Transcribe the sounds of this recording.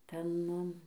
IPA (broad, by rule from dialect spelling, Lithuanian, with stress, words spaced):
ˈtʲɛn